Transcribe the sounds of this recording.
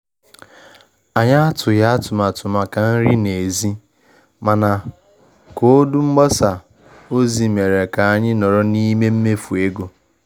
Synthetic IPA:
a˨ɲa˦a˦tʊ˨ja˦a˦tʊ˨ma˨tʊ˨ma˨ka˨n̩˦ɾi˦ne˨e˨zi˦ | ma˨na˨ | ko˦du˦ŋ͡m̩˦ɡ͡bɔ˦sa˨ | o˦zi˨me˨ɾe˨ka˨a˦˨ɲɪ˦nɔ˨ɾɔ˦ni˦me˦m̩˦me˦fu˨e˦ɡo˨

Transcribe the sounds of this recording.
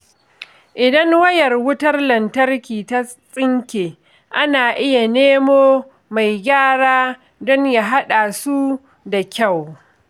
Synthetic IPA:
ʔɪ˨dɐ˦ŋwɐ˦jɐ˨rwʊ˦tɐ˦rlɐ˨ntɐ˦rkʲiː˨ta˦ | sʼɪ˦ŋkʲeː˨ | ʔa˦naː˨ʔɪ˦ja˨neː˦moː˦ | ma˨jɡʲaː˦ɽaː˦ | dɔ˦ɲja˨ɦa˦ɗaː˨su˦ | da˨kʲa˦˨w

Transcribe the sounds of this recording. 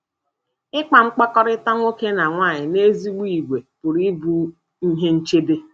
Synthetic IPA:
ɪ˦k͡pa˨ŋ͡m̩˦k͡pɔ˦kɔ˦ɾɪ˦ta˦ŋʷo˦ke˦na˨ŋʷaː˦˨ɲɪ˨ne˦zi˦ɡ͡bi˦i˨ɡʷe˨pʊ˨ɾi˦bu˦ | i˦ɦe˦n̩˦t͡ʃe˦be˦

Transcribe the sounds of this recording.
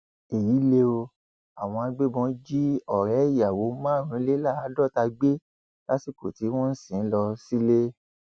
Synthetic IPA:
e˨ji˨˦le˧o˧ | a˨w̃ɔ̃˧a˧ɡ͡be˦bɔ̃˨˧˦d͡ʒi˦ɔ˨ɾɛ˨˦˨ja˨wo˨˦mã˦˨ɾ̃ũ˨˦le˦la˦˨a˨˦dɔ˦˨ta˧ɡ͡be˦ | la˦ti˦˨ko˨ti˨˦w̃ɔ̃˦n̩˦sĩ˨n̩˦lɔ˧si˦le˦

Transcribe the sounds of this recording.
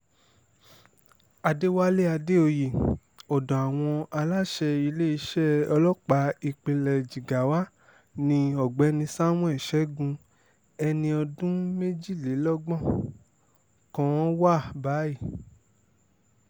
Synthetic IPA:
a˧de˦wa˦le˦a˧de˦o˧je˨ | ɔ˨dɔ̃˨a˨w̃ɔ̃˧a˧la˦ʃɛ˧i˧le˦i˧˦ʃɛ˦ɔ˧lɔ˦k͡pa˧i˧k͡pe˧lɛ˨d͡ʒi˨ɡa˨wa˦ | nĩ˧ɔ˨ɡ͡bɛ˨˦nĩ˧sa˦mɔ̃˦ɛ˦˨ʃɛ˨˦ɡũ˧ | ɛ˧nĩ˧ɔ˧dũ˦me˦d͡ʒi˦˨le˨˦lɔ˦ɡ͡bɔ̃˦˨ | kɔ̃˦wa˦˨ba˨˦i˦˨

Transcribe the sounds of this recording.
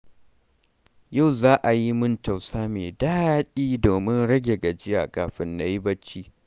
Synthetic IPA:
ja˦˨wzaː˦ʔa˨ji˦mʊ˦nt͡ʃa˨wsaː˦meː˨daː˦ɗiː˦doː˨mɪ˦nɽɐ˦ɡʲe˨ɡa˨d͡ʒɪ˦ja̰ː˨kʼaː˨ɸɪ˦nːa˨˦ji˦bɐ˦t͡ʃːiː˦

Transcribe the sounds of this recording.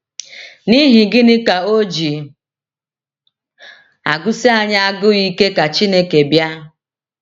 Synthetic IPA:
ni˦ɦɪ˨ɡɪ˦nɪ˦ka˨o˦d͡ʒi˨ | a̰˨ɡʊ˦si˦a˦ɲa˦a˦ɡʊ˦i˦ke˦ka˨t͡ʃi˦ne˦ke˨bja˦

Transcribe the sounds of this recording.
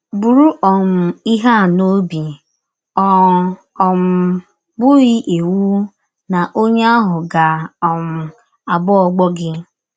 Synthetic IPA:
bu˨ɾu˦ʔɔ˨m̩˨i˦ɦa˦˨no˦bi˨ | ɔ˨ | ɔ˨m̩˨ | bʊ˦ɣi˦ʔe˨wu˦ | na˨ʔo˦ɲe˦a˦ɦʊ˨ɡa˨ɔ˨m̩˨ | a˨bɔ˦ɔ˨ɡ͡bɔ˦ɡɪ˦

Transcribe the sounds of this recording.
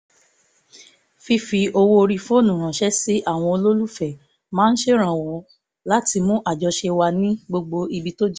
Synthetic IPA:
fi˧fi˧o˧wo˧o˧ɾi˧fo˦nũ˨ɾ̃ã˨ʃɛ˦si˦ʔa˦˨w̃ɔ̃˧o˧lo˦lu˦fɛ˨ | mãː˦n̩˦ʃe˦ɾ̃ã˨wɔ˨˦ | la˦ti˧mũ˦ʔa˦˨d͡ʒɔ˧ʃe˧wa˧nĩ˦ɡ͡bo˧ɡ͡bo˧i˧bi˧to˦d͡ʒ

